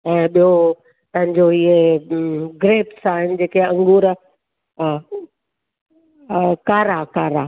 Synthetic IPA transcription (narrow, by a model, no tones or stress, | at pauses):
ɛ̃ːɓijo | t̪ɐ̃ɦɪ̃ɲd͡ʑoie | ɡɾeːpsaːɦɪnɪ̆d͡ʑeːkeɐ̃ŋɡuːɾ | kaːɾakaːɾaː